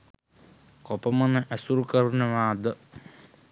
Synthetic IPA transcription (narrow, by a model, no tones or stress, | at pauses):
kɔpɐmɐnɐʔɐsuɾukɐɾunɐʋaːd̪ə